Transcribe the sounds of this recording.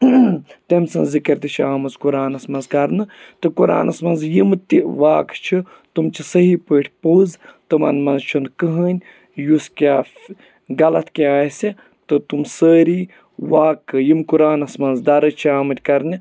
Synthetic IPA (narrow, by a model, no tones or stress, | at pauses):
t̪emʲsɐnzzikɐɾt̪it͡ʃʰiaːmɨzkuɾaːnɐsmɐnzkɐɾnɨ | t̪ɨkuɾa̰ːnʔɐsmɐnzjimɨt̪ʲiʋaːkt͡ʃʰi | t̪umt͡ʃʰisɐɦipəːʈʰʲpoːzt̪ɨmɐ̰nmɐnzt͡ʃʰund̪kɨɦəːnʲ | juskʲaːf | ɡɐlɐt̪ʰkiaːjsʲi | t̪ɨt̪umsəːɾiː | ʋaːkːɨjimkuɾaːnɐsmɐnzd̪ɐɾɨt͡ʃʰiaːmɨt̪ʲkɐɾni